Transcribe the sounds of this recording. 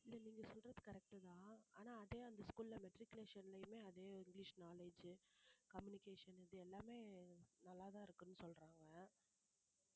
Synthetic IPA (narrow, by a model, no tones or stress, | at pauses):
ɪlːɐniːŋɡɐsɔlrɐðɯkɐɾɛk̚ʈɯðãːaːnaːɐðeːɐnd̪ɐskuːlɪlɐmɛʈɾɪkjleːʂɐnlɐjɯmeːɐðeːɪŋɡliːʂnaːleːd͡ʒɯkɐmjʊnɪkeːʂɐnɪðɯɛlːaːmeːnɐlːaːðãːɪɾɯkːɯnːɯsɔlɾaːŋɡɐ